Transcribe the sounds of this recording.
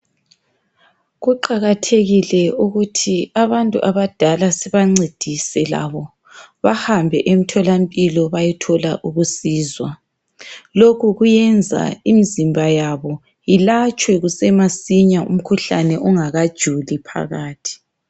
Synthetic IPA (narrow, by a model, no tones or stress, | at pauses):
ɣuǃaɣatʰeɣilɛuɣutʰiaβantʼṵʔaβad̥ʱalasɛβaŋ͡ǀed̥ʱisɛla̰βɔ | βahambʱɛʔem̩tʰɔlampʼilɔβajitʰɔlaʔuɣusiːzwa | lokʰuɣujɛnd͡zʱa̰imizimbʱajaβɔ | ilat͡ʃʼwɛɣusɛmasiɲaʔṵm̩kʰuɬanɛʔɔŋaɣad̥ʒ̥ʱulipʰa̰ɣaːtʰi̥